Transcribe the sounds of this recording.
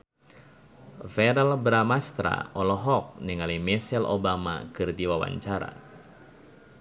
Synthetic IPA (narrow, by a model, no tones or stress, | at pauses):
fɛɾɛlbɾamast̪ɾa̰ɔlɔɦɔk̚niŋalimɛsɛlo̰bama̰kɨrdiwawa̰ɲt͡ʃaɾa̰